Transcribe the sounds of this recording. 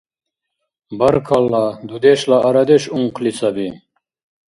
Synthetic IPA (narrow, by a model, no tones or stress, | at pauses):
bɐɾkʰɐlːad̪ud̪eɕlaɐɾɐd̪eɕuŋqlisɐbi